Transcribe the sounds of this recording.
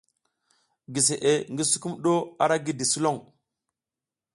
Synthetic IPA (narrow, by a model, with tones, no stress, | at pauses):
ɡi˨s̬e˨ʔe˨ŋɡi˦su˦ku˦mɗo˦a˦ɾa˦ɡi˦di˨su˦lo˦˨ŋ